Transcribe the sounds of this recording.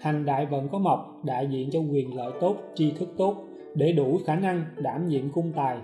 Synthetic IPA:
ha˨˩jŋ̟ɗa̰ː˧˨jvə̰˧˥nkɔ˨˦ma˨˩wk͡p̚ɗa̰ː˧˨jzḭ˧˨ənt͡ɕɔ˧kwi˨˩ənlə̰ː˧˨jt̪o˦˥t̚t͡ɕi˧t̪ʰɨ˦˥k̚t̪o˦˥t̚ | ɗe˧˩ɗu˧˩xaː˧˩na˧ŋɗaː˧˩mɲḭ˧˨əmkʊ˧ŋ͡mt̪aː˨˩j

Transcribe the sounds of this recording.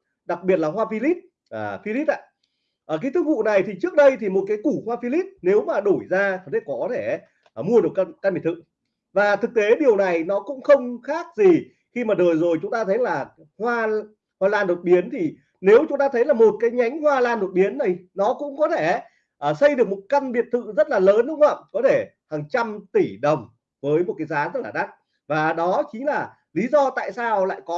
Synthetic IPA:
ɗa˨˩k̚ɓi˨˩ət̚laː˨˩ɦwaː˧fi˧li˦˥t̚ | ʔəː˨˩fi˧li˦˥t̚ʔa̰ː˧˨ | ʔəː˨˩kaː˨˦t̪ɨ˨˦k̚vṵ˧˨na˨˩jt̪ʰi˨˩t͡ɕɨ˦˥ək̚ɗə˧jt̪ʰi˨˩mo˨˩t̚kaː˨˦jku˧˩hwaː˧fi˧li˦˥t̚ne˨˦wmaː˨˩ɗo˧˩jzaː˧˨˩t̪ʰe˧˩kɔ˨˦t̪ʰe˧˩˧ | mu˧əɗɨ˨˩əkkaː˧nmi˨˩t̪ʰɨ̰˧˨ | vaː˨˩t̪ʰɨ˨˩k̚t̪e˨˦ɗi˨˩əwna˨˩jnɔ˨˦kʊ̰˧˥ŋ͡mxə˧wŋ͡mxaː˦˥k̚zi˨˩ | xi˧maː˨˩ɗəː˨˩jzo˨˩jt͡ɕʊ˨˦ŋ͡mt̪aː˧t̪ʰə˨˦jlaː˨˩ | hwaː˧ | hwaː˧˩laː˧nːo˨˩t̚ɓi˨˦ənt̪ʰi˨˩ | ne˨˦wt͡ɕʊ˨˦ŋ͡mt̪aː˧t̪ʰə˨˦jlaː˨˩mo˨˩t̚kaː˨˦jɲa˨˦jŋ̟hwaː˧laː˧nːo˨˩t̚ɓi˨˦ənːa˨˩jnɔ˨˦kʊ̰˧˥ŋ͡mkɔ˨˦t̪ʰe˧˩ | ʔəː˧˩sə˧jɗɨ˨˩ək̚mo˨˩t̚ka˧nɓi˨˩ət̚t̪ʰɨ̰˧˨zə˦˥t̚laː˨˩ləː˨˦nɗʊ˨˦ŋ͡ma̰ː˧˨mkɔ˨˦t̪ʰe˧˩ | haː˨˩ŋt͡ɕa˧mt̪i˧˩ɗə˨˩wŋ͡m | vəː˨˦jmo˨˩t̚kaː˨˦jzaː˨˦zə˦˥taː˧˩ɗa˦˥t̚ | vaː˨˩ɗɔ˨˦t͡ɕi˨˦ŋ̟laː˨˩ | li˨˦zɔ˧t̪a̰ː˧˨jsaː˧wla̰ː˧˨jkɔ˨˦

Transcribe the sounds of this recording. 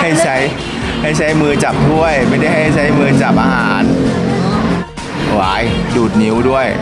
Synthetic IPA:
a˥˩jt͡ɕʰa˦˥j | ha˥˩jt͡ɕʰa˦˥jmɯː˧t͡ɕa˨˩p̚t̪ʰu˥˩əjma˥˩jda˥˩jha˥˩jt͡ɕʰa˦˥jmɯː˧t͡ɕaː˨˩p̚ʔaː˧ɦaː˩˦n | waː˨˧˦jduː˨˩t̪̚ni˨˦wdu˥˩əj

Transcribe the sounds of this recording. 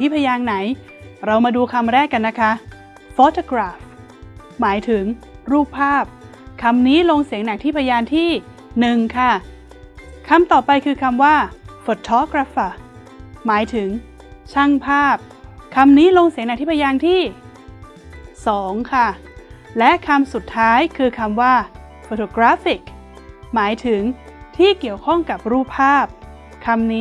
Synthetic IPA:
t̪ʰiː˥˩pʰaː˧jaː˧ŋna˩˦j | ɾa˧wmaː˧duː˧kʰa˧mɾɛː˥˩kːa˧nːa˦˥kʰa˦˥ | foː˦˥t̪ʰoː˧kɾaː˨˩f | maː˩˦jt̪ʰɯ˩˦ŋɾuː˥˩p̚pʰːaː˥˩p̚ | kʰa˧mniː˦˥lo˧ŋsi˨˩˦ŋna˨˩k̚t̪ʰiː˥˩pʰa˧jaː˧nt̪ʰiː˥˩ | nɯ˨˩ŋkʰa˥˩ | kʰa˧mt̪ɔː˨˩pa˧jkʰɯː˧kʰa˧mwaː˥˩fo˨˩t̪ʰːɔː˦˥kɾa˦˥faː˨˩ | maː˩˦jt̪ʰɯ˩˦ŋ | t͡ɕʰa˥˩ŋpʰaː˥˩p̚ | kʰa˧mniː˦˥lo˧ŋsi˨˩˦ŋna˨˩k̪̚ʰiː˥˩pʰa˧jaː˧ŋt̪ʰiː˥˩ | sɔː˩˦ŋkʰa˥˩ | lɛ˦˥ʔkʰa˧msu˨˩t̪ʰːaː˦˥jkʰɯː˧kʰa˧mwaː˥˩ | foː˨˩tʰoː˧˩kɾaː˦˥fi˨˩k̚ | maː˩˦jt̪ʰɯ˨˩˦ŋt̪ʰiː˥˩ki˨˩əwkʰɔ˥˩ŋka˨˩p̚ɾuː˥˩pʰːaː˥˩p̚ | kʰa˧mniː˦˥

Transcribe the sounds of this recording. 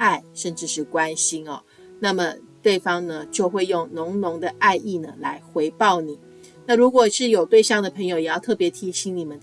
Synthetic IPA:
a˥˩ɪʂə˥˧nʈ͡ʂɻ̩˥˧ʂɻ̩˥˩kwa˦nɕi˥nɐ̰˩ | na˥˩mə˩t̪we˥˩ɪfɑ˥ŋnə˨t͡ɕjo˥˧ʊxwe˥˧ɪjʊ˥˩ŋnʊ˧˥ŋnʊ˧˥ŋd̪ə˧ʔa˥˧ɪʔi˥˩nə˩la˧˥ɪxwe˧˥ɪpɑ˥˩ʊni˨˩˦ | na˥˩ɻu˧˥kwɔ˨˩ʂɻ̩˥˩jo˨˩ʊt̪we˥˧ɪɕɑ˥˩ŋd̪ə˩pʰɤ˧˥ŋjo˧ʊjɛ˨˩jɑ˥˧ʊt̪ʰɤ˥˩pjɛ˧˥t̪ʰi˧˥ɕi˧˥ŋni˨˩mə˦

